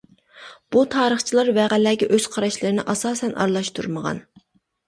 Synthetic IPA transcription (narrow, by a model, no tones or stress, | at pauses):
b̥ut̪ʰɑːɾəχt͡ʃʰilˠɑɾvɛʁælæːɡʲɛʔøz̥qʰɑɾɑʃlˠɨɾɨnɪ̰ʔɑsɑːsɛnʔɑ̰ɾlˠɑʃt̪ʰuɾməʁɑ̰n